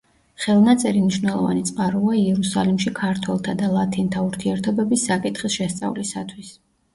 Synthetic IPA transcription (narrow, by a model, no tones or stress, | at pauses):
χɛlˠnat̪sʼɛɾimniʃwnɛlˠɔva̰nit̪sʼqʼaɾuaiɛɾusalimʃikʰaɾt̪ʰwɛlˠt̪ʰad̪alˠat̪ʰint̪ʰauɾt̪ʰiɛɾt̪ʰɔbɛbisːakʼit̪ʰχisʃɛst̪sʼa̰vlisat̪ʰwis